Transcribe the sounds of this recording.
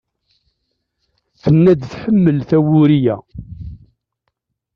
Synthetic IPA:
θənːæd̪θħəmːəlθæwʊɾijæ

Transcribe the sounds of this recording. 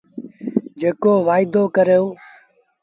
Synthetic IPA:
d͡ʒeːkoːʋaːɪd̪oːkəɾeoː

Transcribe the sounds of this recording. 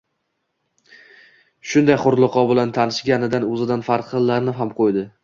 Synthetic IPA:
ʃʊnd̪ajχʊɾlˠɨqʰɒbɪlant̪ʰanɪʃɡʲanɪd̪anɵzɪd̪anfaɾt̪ʰɨlˠːaɾnɪɦamqʰojd̪ɪ

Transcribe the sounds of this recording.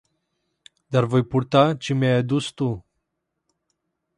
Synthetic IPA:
d̪arvo̞jpurt̪at͡ʃemajad̪ust̪u

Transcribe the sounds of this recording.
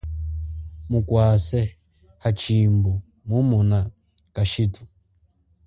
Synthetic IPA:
mukwasɛ | hat͡ʃimbɔ | mumuna | kaʃitu̥

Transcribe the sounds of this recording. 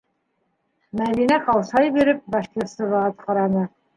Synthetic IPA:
mæðinæqɑwsɑjbiɾɘp̚bɑʃkʲeɾt̪sɤβɑɑt̪qɑɾɑnɤ

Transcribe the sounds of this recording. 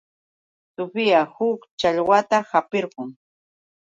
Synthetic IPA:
sʊpɪjahʊkt͡ʃaʎwat̪ahapeɾɢʊŋ

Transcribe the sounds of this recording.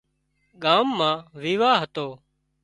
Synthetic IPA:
ɠaːmːãːʋiːʋaːɦət̪oː

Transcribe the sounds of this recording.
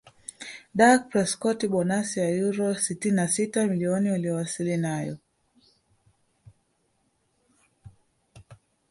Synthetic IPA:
ɗak̚pɾɛskɔtiɓɔnasiajuɾɔsitininasitamiliɔnialijɔwasilinajɔ̰

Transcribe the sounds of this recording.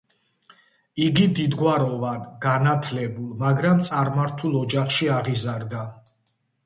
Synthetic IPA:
iɡid̪id̪ɡwaɾɔvanɡanat̪ʰlɛbulˠmaɡɾamt̪sʼaɾmaɾt̪ʰulˠɔd͡ʒaχʃiaʁizaɾd̪a

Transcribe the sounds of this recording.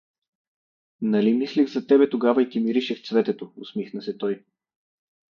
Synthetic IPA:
nɐlimisliɣzɐt̪ɛbɛt̪oɡavɐit̪ʲimiɾiʃɛxt̪svɛt̪ɛt̪oʊsmixnəsɛt̪ɔj

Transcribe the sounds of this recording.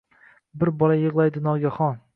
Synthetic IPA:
bɪɾbɒlajɨʁlˠajd̪ɪnɒɡʲaχɒn

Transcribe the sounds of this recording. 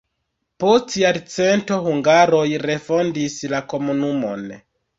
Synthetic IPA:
postiadt͡se̞nto̞huŋɡaɾo̞jɾe̞fo̞ndislako̞munumo̞̰n

